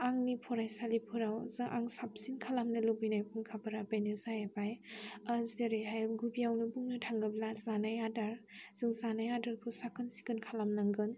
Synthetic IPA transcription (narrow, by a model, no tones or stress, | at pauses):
aŋnipʰɔɾajsalipʰɯɾawzɯŋʔa̰ŋsap̚sinkʰalamnɯlubinajpʰuŋkʰabɯɾabenuzajebajazeɾeɦaj̚ɡubiawnɯbuŋnɯtʰaŋɡɯblazanajadaɾz̥ɯŋzanajadaɾkʰɯsakʰɯnsi̥kɯnkʰalamnaŋɡɯn